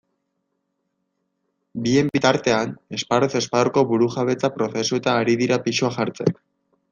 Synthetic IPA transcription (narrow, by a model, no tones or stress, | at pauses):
bie̞mbit̪aɾt̪e̞ane̞spaɾose̞spaðoɾko̞βuɾuʝaβe̞t͡sapɾo̞θe̞suet̪aːɾiðiɾapiʃuaʝaɾt͡se̞̰k